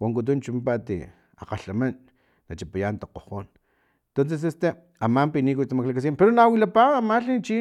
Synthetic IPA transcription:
waŋk̬ut̪̬unt͡ʃumipat̪ḭ | a̰qaɬamanː | at͡ʃipajant̪aqoqoːn | t̪ons̬es̬est̪e | amampinik̬ut͡ʃt̪amaklakas̬impeɾonawilapaɣamaɬit͡ʃi

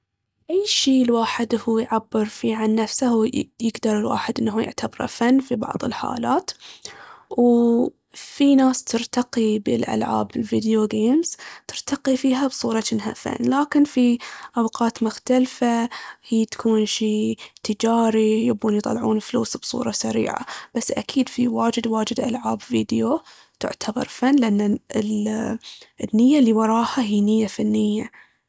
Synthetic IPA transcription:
ʔajːʃiːlwaːħɪd̪huːjʕabːɪɾfiːʕanːafsahjɪɡd̪ɑɾˤɪlwa̰ːħɪd̪ʔɪnːaɦujɪ̰ʕt̪abɾˤa̰fanːfibɑ̰ʕðˤɨ̰lħa̰ːla̰ːt̪ | w | finaːst̪ɪɾt̪aqibɪlʔa̰lʕa̰ːbɪlvid̪joɡeːmz̥t̪ɪɾt̪ɑqifiːɦabsˤuːɾˤɑɪnːɦa̰fa̰nːlaːkɪnfiʔawqɑːt̪mʊxt̪alfahiːt̪ḁkʰuːnʃiːt̪ɪd͡ʒaːɾijɪbuːnjt̪ˤɑ̰lːʕuːnflṵːsbsˤṵːɾˤɑsaɾḭːʕa̰b̥asːʔa̰kiːd̪fiwaːd͡ʒɪd̪waːd͡ʒɪd̪ʔa̰lʕaːbviːd̪jo | t̪ɪ̰ʕt̪ʰabɑ̰ɾˤfanːlɪʔanːaɪl | ʔɪnːɪjːalːiwɑɾˤɑːhaɦiːnɪjːafanːɪjːa

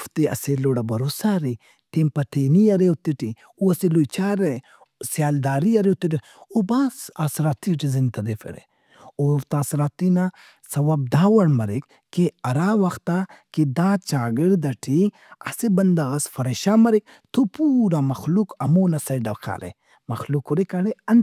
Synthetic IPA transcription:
ft̪iɐ̰seloɽɐbɐɾosaɾi | t̪empɐʈʰeniɐɾewt̪iʈi | uɐselojt͡ʃaːɾe | sjaːld̪aːɾiɐɾewt̪iʈi | obasasɾaːt̪iʈizint̪ɐd̪efḛɾḛ | ot̪aːsɾaːt̪ina | sɐwɐb̚d̪aːwɐɽmɐɾik | keɐɾawɐxt̪aked̪at͡ʃaːɡiɾd̪ɐʈʰi | ɐ̰sibɐnd̪ɐɣɐsfɐɾeʃamɐɾik̚ | t̪ʰopuːɾamɐxlukɐmoːnɐsɐjɖɐqʰa̰ɾḛ | mɐxlukuɾikaɽeɐn

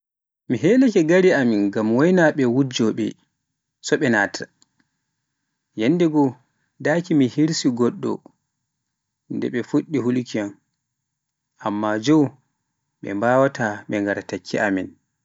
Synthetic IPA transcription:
miɦɛːlakɛɡaɾiaminɡamwɔjnaɓɛwud͡ʒɔɓɛ̰ | sɔɓɛnaːtʰa | jɛnːdɛɡɔ | daːkimihiɾsiɡɔɗːɔ̰ | ndɛ̰ɓɛfuɗːihulukian | ʔamːad͡ʒɔw | ɓɛ̰mbaːwataɓɛŋɡaɾatakʰːḭamin

